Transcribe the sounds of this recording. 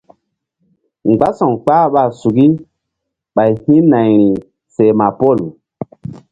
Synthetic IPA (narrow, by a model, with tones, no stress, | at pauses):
ŋ͡mɡ͡ba˦sɔ̃˨ŋk͡paː˦ɓa˨su˨ɡi˦ | ɓa˨jhĩ˦na˨jɾi˨ | se˨ma˨po˦˨l